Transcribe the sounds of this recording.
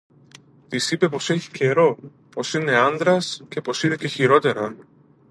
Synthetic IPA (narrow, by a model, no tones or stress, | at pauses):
t̪isipe̞po̞se̞çi̥ce̞ɾo̞ | po̞sine̞ɐnd̪ɾɐsce̞po̞siðece̞çiɾo̞t̪e̞ɾɐ